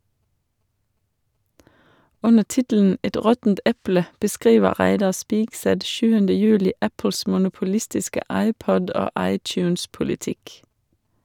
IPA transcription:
ˈʉnə ˈtɪtl̩n̩ ˈɛt ˈɾɔtn̩t ˈɛplə bəˈskʁiːʋə ˈʁæɪdɑ ˈspɪɡsɛt ˈʃʉːəndə ˈjʉːlɪ ˈæpl̩s mʊnʊpʊˈlɪstɪskə ˈɑɪˌpɔd ˈoː ˈɑɪˌtjʉːns pʊlɪˈtɪk

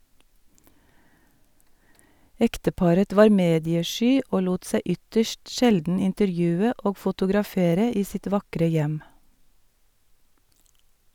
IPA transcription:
ˈɛktəˌpɑɾət ˈʋɑːɾ ˈmeːdɪəˌʃyː ˈoː ˈluːt ˈsæɪ ˈʏtəʃt ˈʃɛldn̩ ɪntəɾˈjʉːə ˈʔoː fʊtʊɡɾɑˈfeːɾə ˈiː ˈsɪt ˈʋɑkɾə ˈjɛm

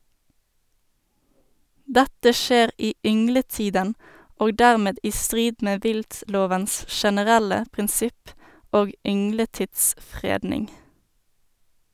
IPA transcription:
ˈdætə ˈʃeːʁ ˈiː ˈʏŋləˌtiːdən ˈoːɡ ˈdæʁˌmeːd ˈiː ˈstʁiːd ˈmeː ˈʋɪltˌloːʋəns ʃɛnəˈʁælə pʁɪnˈsɪp ˈoːɡ ˈʏŋləˌtɪtsˌfʁeːdnɪŋ

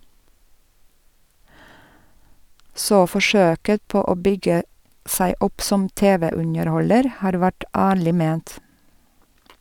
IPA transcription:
ˈsoː ˈfɔʃøːkə ˈpoː ˈoː ˈbʏɡə ˈsæɪ ˈʊp ˈsɔm ˈteːˌʋeː ˈʉnəɾˌhɔləɾ ˈhɑːɾ ˈʋæʈ ˈæːɭɪ ˈmeːnt

